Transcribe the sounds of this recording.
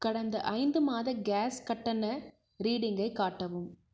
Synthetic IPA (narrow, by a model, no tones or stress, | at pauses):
kɐɽɐnd̪ɐ̰ʔɐɪnd̪ɯmaːðɐɡaːskɐʈːɐnɐ | ɾiːɽɪŋɡɐɪkːaːʈːɐʋɯm